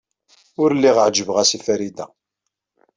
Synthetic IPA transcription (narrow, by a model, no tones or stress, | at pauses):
ʊɾlːiʁəʕd͡ʒəvʁæsifæɾid̪æ̰